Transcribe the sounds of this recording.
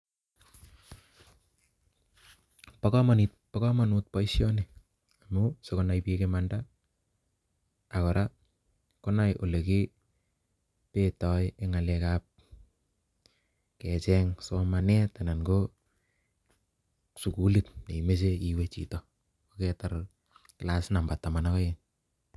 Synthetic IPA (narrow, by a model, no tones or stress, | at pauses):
pakɔmanit̚ | pɔkɔmanut̚pɔisjɔne | amusekonajpiekemanda | kɔɾa | konajʔoleki | petɔjeŋalɛkap̚ | kɛt͡ʃɛŋsomanɛtanaŋɡo | sukulɪt̚neimes̬eiwet͡ʃḭtɔ | okɛtar | kɪlasnambatːamanakɔjen